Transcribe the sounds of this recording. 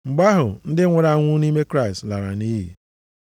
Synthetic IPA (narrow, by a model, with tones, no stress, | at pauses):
ŋ͡m̩˨ɡ͡ba˦ɦʊ˨n̩˦dɪ˦ŋʷʊ˨ɾa˨˦ŋʷʊ˦ni˦me˦kɾa˦i˨stla˨ɾa˨ni˦ɦḭ˨